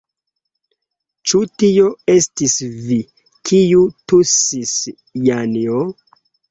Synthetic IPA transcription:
t͡ʃutioestisvi | kʰijutusis | janio

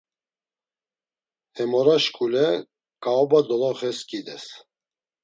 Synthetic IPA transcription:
hɛmɔɾaʃkʰʼulɛ | kaɔbad̪ɔlɔχɛskid̪ɛs

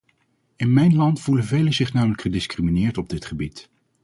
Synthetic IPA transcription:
ɪnmɛjnlɑntfulənvejləzɪχnaːmələkχədɪskriminɪːɹtɔb̚dɪtχəbit

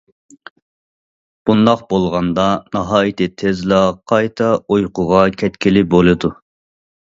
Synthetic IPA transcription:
b̥und̪ɑqbolˠʁɑnd̪ɑnɑɦɑːjit̪ɪt̪ʰezlɑqʰɑjt̪ʰɑojqʰʊʁɑkʲʰɛt̪kʲilɪbolˠɨd̪u

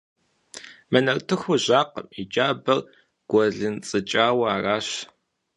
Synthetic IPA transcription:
mɐnɐrtʰɨxʷʊʑaːqə̰mid͡ʒaːbɐr | ɡ̥ʷɔɮɨnt͡sʼɨt͡ʃʼaːwɐaːraːɕ

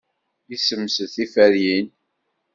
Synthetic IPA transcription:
isəmːsəθifæɾjin

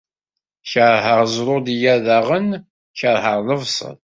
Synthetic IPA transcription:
çəɾˤɦəɾˤzɾˤʊd̪jæðaʁən | çəɾˤɦəɾˤləvsˤə̰ð

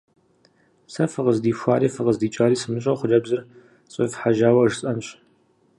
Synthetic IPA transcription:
sɐfɨʁəzdiːɕʷaːɾiːfɨʁəzdiːt͡ʃʼaːɾiːsɨmɨɕʼɐχʷʊrɐbzɨr | ɕʼɪfħaʒaːwɐɨʒsʼɐnɕʼ

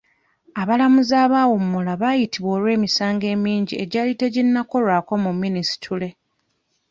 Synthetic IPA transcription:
aβalamuzaːβaːwumːulaβaːjitiβwo̞ːlwe̞ːmisaːŋɡe̞ːmiːɲɟieɟalite̞ɟinːako̞lwaːko̞mumːinisi̥tʰule̞

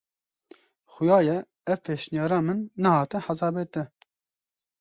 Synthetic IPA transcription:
xʊjɑːjɛ | ɛvpʰeːʃnjɑːɾɑːmɨnːɛhɑːt̪ɨħazɑːbeːt̪ɨ

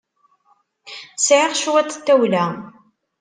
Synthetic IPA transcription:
sʕɪʁʃwæt̪t̪ːæwlæ

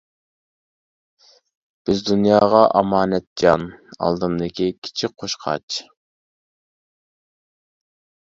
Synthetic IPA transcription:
b̥ɪzd̪unjɑːʁɑʔɑmɑːnɛt̪̚d͡ʒɑnɑ̰lˠd̪ɨnd̪ɪkʲikʲʰi̥t͡ʃʰik̚qʰoʃqʰɑ̰t͡ʃ

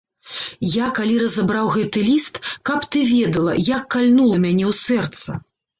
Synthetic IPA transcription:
jakalʲiɾɐzabɾawɣɛt̪ɨlʲist̪kɐpt̪ɨvʲɛd̪ɐlˠɐ̰jakːalʲnulˠɐmʲanʲɛwsɛrt̪sɐ̰

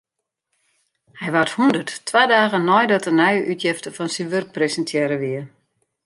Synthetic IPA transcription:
hɛjʋathundərttːʋaːdaːɣənɔjdɔtənajʔytjɪftəfɔnsiʋørk̚presəntʰjɛɾəʋiə

